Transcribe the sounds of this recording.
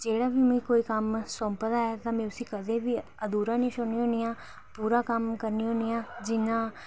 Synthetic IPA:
d͡ʒeːɽaːbiːmʊĩːkoːiːkəmsɔmpəd̪aːɛːt̪ãːmɛ̃ːʊsĩːkəd̪ẽːbiːəd̪uːɾãːnĩːsʊniːɦõːnijãː | puːɾaːkəmkəɾniːɦõːnijãːd͡ʒɪnãː

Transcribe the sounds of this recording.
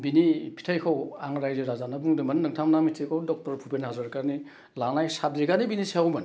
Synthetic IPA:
binipʰi̥tʰajkʰawaŋɾajzɯɾazanabuŋdɯmɐnːɯŋtʰamnamitʰikʰawdɔk̚tɔɾpʰupenhazaɾkani | lanajsab̚ziɡanibinisiawmɐn

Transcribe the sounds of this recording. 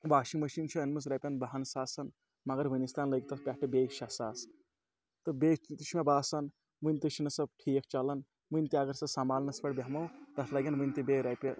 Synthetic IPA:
baːʃiŋmɐʃint͡ʃʰɐːnmɨs̬ɾɐpʲɐnbaɦɐnsaːsɐn | mɐɡɐɾʋɨnist̪aːnləɡʲt̪ɐsʰpʲaʈɨbʲeʃɐsaːs | t̪ɨbet̪iʃmʲebaːsɐn | ʋɨnʲt̪iʃinɐsɐb̚ʈʰiːk̚ʰt͡ʃɐlɐn | ʋɨnʲt̪iɐɡɐɾsɐsamaːlnɐspɐʈbʲeɦmɐwt̪ɐt̪ʰlɐɡʲɐnʋɨnʲt̪ibeɾɐpʲɐ

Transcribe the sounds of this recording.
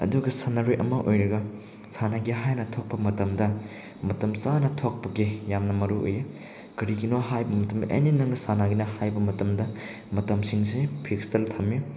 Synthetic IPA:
ɐ̰duɡɐsɐnɐɾojʔɐmɐʔojɾɐɡɐ | sanaɡiɦajnɐtʰok̚pɐmɐtɐmdɐ | mɐtɐmsanɐtʰok̚pɐɡijamnɐmɐɾuo̰je | kɐɾiɡinoɦajbɐmɐtɐmdɐʔḛninɐŋnɐsanaɡinɐhajbɐmɐtɐmdɐ | mɐtɐmsiŋsepʰiksɐltʰɐmji

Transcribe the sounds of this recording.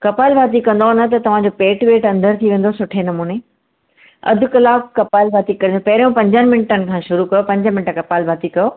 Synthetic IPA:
kɐpaːɪlbʱaːt̪̬ikɐ̃nd̪onət̪̬ɐt̪ɐʋ̤ãɲd͡ʑoːpeːʈʋeːʈɐ̃nd̪ʱəɾt̪ʰiʋẽːn̆d̪osʊʈʰenɐmuːne | ɐ̰d̪ʱʊ̆kɐlaːkkɐpaːlbʱaːt̪ikɐɾĩnopɐɦɪɾijõpɐ̃ɲd͡ʑənɪ̆mɪɳʈənɪ̆kʰãːʃʊɾukɐjopɐ̃ɲd͡ʑəmɪ̃ɳʈəkɐpaːlbʱaːt̪ikɐjoː

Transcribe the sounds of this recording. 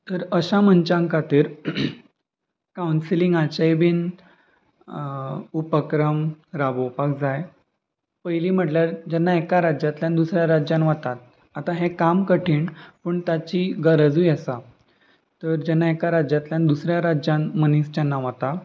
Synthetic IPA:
t̪əɾəɕam̤ənt͡ɕãŋkat̪iːɾ | kawnsiliŋɡat͡ɕajbiːn | upəkɾəmɾabowpakd͡zaj | pəjliːm̤əʈljaɾd͡ʑɛnːaekaɾad͡ʑjat̪ljãnd̪usɾjaɾad͡ʑanʋat̪at̪̚ | at̪aɦẽkamkəʈʰiːɳpəɳt̪at͡ɕiɡəɾəd͡zujəsa | t̪əɾd͡ʑɛnːaekaɾad͡ʑat̪ljãnid̪usɾjaɾad͡ʑanmənist͡ɕanːaʋat̪a

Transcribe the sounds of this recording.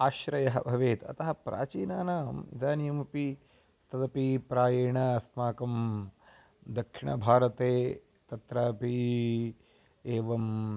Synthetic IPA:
aːʃɾɐjɐɦɐbʱɐʋeːt̪ɐ̰t̪ɐɦɐpɾa̰ːt͡ʃiːnaːnaːmḭd̪aːnijɐmɐpi | t̪ɐd̪ɐpipɾaːjeːɳɐɐsmaːkɐm | d̪ɐkʂiɳɐ̰bʱaːɾɐt̪eː | t̪ɐt̪ɾaːpi | eːʋɐm

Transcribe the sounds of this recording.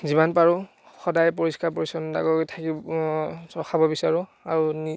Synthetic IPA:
zimanpaɹʊ̃ | xɔdajp̬oɹiskap̬ɔɹisɔnda̰ɡɔtʰaki | tɔxʰabɔbisaɹʊ̃aɹuni

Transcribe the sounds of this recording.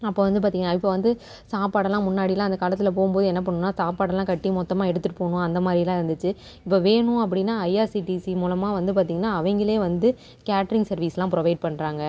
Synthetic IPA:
ɐpːoːʋɐnd̪ɯp̬aːɾiːŋɡɐnaːɪpːoːʋɐnd̪ɯ | saːpaːɽɐlãːmʊnːaːɽɪlãːɪnd̪ɐkaːlɐt̪̬ːɪlɐp̬oːɣʊmpoːðɯɛnːɐp̬ːɐɳːɯ̃nːaːsaːpaːɽɐlãːkɐʈːimɔt̪ːɐmaːɛɽɯt̪ːɯʈːɯpoːɳʊ̃ɐnd̪ɐmaːd̪ɾɪlãːɪɾɯnd̪ɯt͡ʃːɯ | ɪpːoːʋeːɳʊ̃ɐp̬ːɐɽɪnːaːɐɪaːɾsiʈisimuːlɐmaːʋɐnd̪ɯpaːɾt̪iːŋɡɐnːaːɐʋɐŋɡɪɭeːʋɐnd̪ɯ | kaːʈɐɾɪŋɡsɐɾʋiːslãːpɾɔʋɐɪɖ̚pɐɳːɾaːŋɡɐ

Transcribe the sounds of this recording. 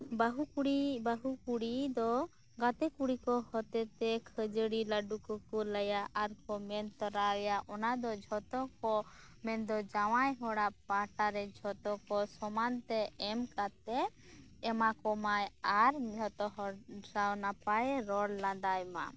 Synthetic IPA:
baɦuɽibaɦukuɽid̪ɔ | ɡat̪ɛkuɽikɔhɔt̪ɛt̪ɛkʰəd͡ʒəɽilaɖukɔkɔləjaʔaɾkɔmɛnt̪ɔɾawɛjaʔɔnad̪ɔd͡ʒʱɔt̪ɔkɔ | mɛnd̪ɔd͡ʒaw̃ajɦɔɽapaʈaɾɛd͡ʒʱɔt̪ɔkɔsɔmant̪ɛɛmkat̪ɛː | makɔmajaɾd͡ʒʱɔt̪ɔɦɔɖɾawnapajɾɔɽlad̪ajma̰

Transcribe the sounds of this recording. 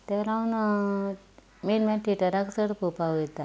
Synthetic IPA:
t̪eɾaun | minmeʈiʈəɾaksəɽkupawet̪a

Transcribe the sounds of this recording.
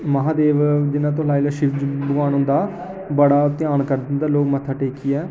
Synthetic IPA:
məɦãːd̪eːʋd͡ʒɪnãːt̪̬õlaːiːlaːʃɪʋd͡ʒbʊaːnʊ̃nd̪aː | bəɽaːt̪ɪjaːnkəɾd̪ɪnd̪aːloːkmət̪ʰːaːʈeːkiːɛː

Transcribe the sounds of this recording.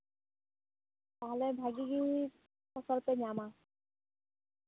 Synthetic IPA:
t̪aɦɔlebʱaɡiɡii | pɔsɔlped͡ʑama

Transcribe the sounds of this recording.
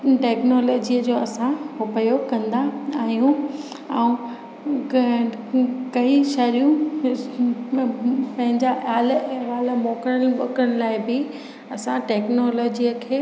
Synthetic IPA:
ʈeːknɔːlɔːd͡ʑiːəd͡ʑoːɐsãɦopəjokɐ̃nd̪aaːɦijũ | ɛũ | kɐiʃɐɾijũ | pɐ̃ɦɪ̃ɲd͡ʑaʔjaːlɛ̃ʋaːl̆mɔːkəɽənɓɐkəɽ̃laːɪbɪ | ɐsãʈɛːknoːlɔːd͡ʑiəkʰeː

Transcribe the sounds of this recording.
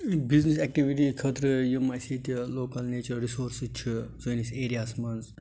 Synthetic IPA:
biznis̬ɛk̚ʈiʋiʈikʰɐt̪ɾɨjumɐjsit̪loːkɐlneːt͡ʃɐɾɾisoːɾst͡ʃʰizoniseːɾijaːsmɐnz

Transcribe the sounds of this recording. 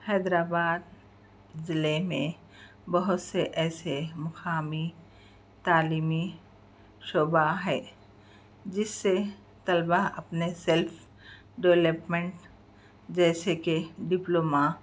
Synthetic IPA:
hɛːd̪ɾaːbaːd̪̚ | zɪlemẽ | bɐɦʊt̪seʔɛːsemɐxʰaːmi | t̪aːliːmi | ʃoːbaɦɛː | d͡ʒɪsːe | t̪ɐlbaɐpneselfʰ | ɖeʋləpmẽɳʈ | d͡ʒɛːsekeɖɪploːma

